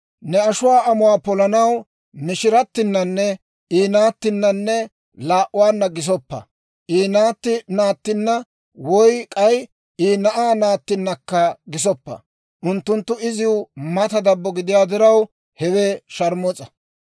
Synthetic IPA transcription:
nɛɐʃʊwaːɐmʊwaːpɔlɐnɐw | mɪʃɪɾɐt̪ːɪnːɐnːɛ | iːnaːt̪ːɪnːɐnːɛ | laːʔʊwaːnːɐɡɪs̬ɔpːɐ̰ | ʔiːnaːt̪ːɪnaːt̪ːɪnːɐ | wɔjkʼɐj | iːnɐʔaːnaːt̪ːɪnːɐkːɐɡɪs̬ɔpːɐ̰ | ʔʊnt̪ːʊnt̪ːʊɪzɪwʊmɐt̪ɐd̪ɐbːɔɡɪd̪ɪjaːd̪ɪɾɐw | hɛweːʃɐɾmɔt͡sʼɐ̥

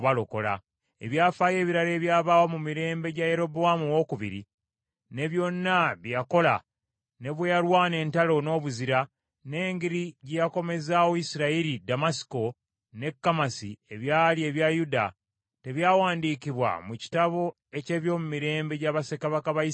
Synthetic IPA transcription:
βalo̞ko̞la̰ | e̞βjaːfaːje̞ːβiɾaɾe̞ːβjaːβaːwomumiɾe̞ːmbe̞ɟaje̞ɾo̞boamuwo̞kuβḭɾḭ | ne̞βjo̞nːaβjjako̞la | ne̞βwejalwaːne̞ːntalo̞no̞ːβuziɾa | ne̞ːŋɡiɾiɟejako̞me̞zawoisiɾaiɾidamasi̥ko̞ | ne̞kːamasḭe̞βjaːlie̞βjajuda | te̞βjaːwaːndiːkiβwa̰muci̥taβo̞ | e̞ce̞ːβjo̞ːmumiɾe̞ːmbe̞ɟaβase̞kaβakaβai

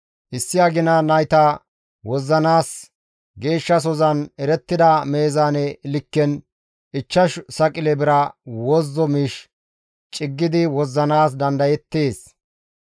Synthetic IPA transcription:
ʔɪsːɪɐɡɪnɐnɐjt̪ɐ | wɔzːɐnaːs | ɡe̞ːʃːɐs̬ɔzɐnɛɾɛt̪ːɪd̪ɐme̞ːzanɛɪlɪkːɛn | ɪt͡ʃːɐʃsɐkʼɪlɛbɪɾɐwɔzːɔmiʃ | t͡ʃʼɪɡːɪd̪ɪwɔzːɐnaːsd̪ɐnd̪ɐjɛt̪ːeːs

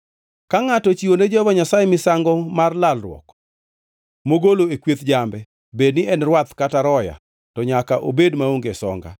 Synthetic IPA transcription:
kaŋatɔt͡ʃiwoned͡ʒɔbaɲasajɛmɪsaŋɡɔmarlalrwɔ̰k | moɡoloekwet̪d͡ʒambɛ | bednɪɛnrwat̪kataɾɔja̰ | tɔɲakaʔo̰bedmaoŋɡesɔ̰ŋɡa̰

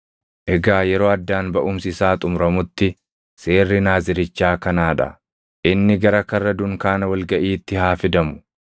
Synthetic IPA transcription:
ʔɛɡaːjɛɾo̞ːɐd̪ːaːnbɐʔʊmsɪsaːt̪ʼʊmɾɐmʊt̪ːɪ | se̞ːrːɪnaːzɪɾɪt͡ʃːaːkɐnaːᶑɐ̰ | ʔɪnːɪɡɐɾɐkɐrːɐd̪ʊŋkaːnɐwɐlɡɐʔiːt̪ːɪhaːfɪd̪ɐmʊ̥

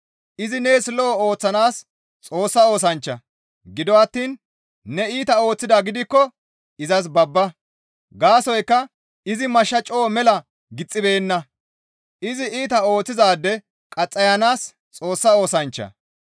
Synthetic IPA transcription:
ʔɪzɪneːsloːoːt͡sːɐnaːs | t͡sʼo̞ːsːɐo̞ːsɐnt͡ʃːɐ̰ | ɡɪd̪ɔɐt̪ːiːnː | ɛiːt̪ɐo̞ːt͡sːɪd̪aːɡɪd̪ɪkːɔ | ɪzɐs̬bɐbːɐ | ɡaːsɔjkːɐ | ɪzɪmɐʃːɐt͡ʃʼoːmɛlɐ | ɡɪt͡sʼːɪbe̞ːnːɐ | ʔɪzɪʔiːt̪ɐo̞ːt͡sːɪzaːd̪ːɛ | kʼɐt͡sʼːɐjɐnaːs | t͡sʼo̞ːsːɐo̞ːsɐnt͡ʃːɐ̰

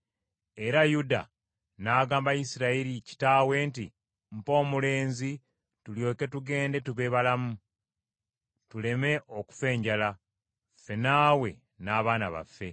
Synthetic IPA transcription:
e̞ɾajuda̰ | naːɡaːmbajisiɾaeɾici̥taːwe̞ːnti | m̩po̞ːmule̞ːnzi | tuljo̞ːke̞tuɡe̞ːnde̞tuβe̞ːβalamu | tule̞me̞ʔo̞ku̥fe̞ːɲɟala | fe̞naːwe̞ | naːβaːnaβa̰fːe̞

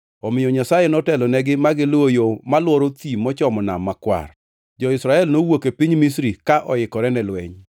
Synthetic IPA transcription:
ɔmɪjɔɲasajenɔtɛlɔnɛɡɪmaɡɪlwojomalwɔɾot̪imːɔt͡ʃɔmɔna̰mːakwa̰r | d͡ʒɔɪsɾaɛlnowokepiɲmis̬ɾikaʔɔɪkɔɾɛnɛlwɛɲ

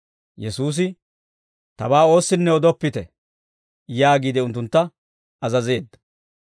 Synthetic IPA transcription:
jɛsuːs̬ɪ | t̪ɐbaːo̞ːsːɪnːɛɔd̪ɔpːɪt̪ɛ | jaːɡiːd̪ɪʊnt̪ːʊnt̪ːɐ | ɐzɐze̞ːd̪ːɐ̥

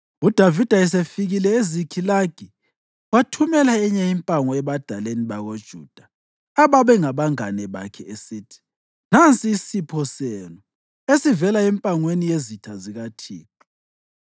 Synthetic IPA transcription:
ud̥ʱavid̥ʱaɛsefiɣilɛezikʰilaɡ̥ʱi | watʰumɛlaɛɲɛimpʼaŋɔɛβad̥ʱaleniβaɣod̥ʒ̥ʱṵd̥ʱaː | βaβɛŋaβaŋa̰nɛβa̰kʰɛesitʰi̥ | nant͡sʼiːsipʰɔsenu | esivɛlaɛmpʼaŋwenijezitʰaziɣatʰḭːkɔ

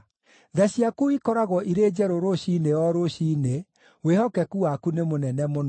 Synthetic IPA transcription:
ðɛɕjakuikɔɾaɣwɔʔiɾeːd͡ʒɛɾoɾoɕineɔɾoɕiːne | wehɔkɛkuwakunemonɛnɛmon

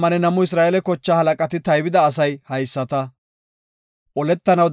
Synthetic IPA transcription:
mɐnɛnɐmʊɪs̬ɾaːʔɛlɛkɔt͡ʃːaːhɐlɐkʼɐt̪ɪt̪ɐjbɪd̪ɐːsɐjhɐjsːɐt̪ɐ | ʔɔlɛt̪ːɐnɐwd̪

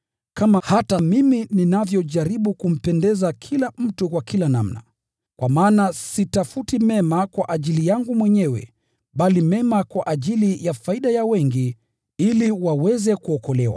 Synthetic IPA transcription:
kamahatamimininavjɔʄaɾiɓukum̩pɛndɛzakʰilam̩tukwakilana̰mna̰ | kwʔamaːnasitafutimɛmakwaʔaʄilijaŋɡumwɛɲɛwɛ̰ | ɓalimɛmakwaʔaʄilijafaiɗajawɛŋɡi | iliwawɛzɛkuɔkɔlɛwa̰

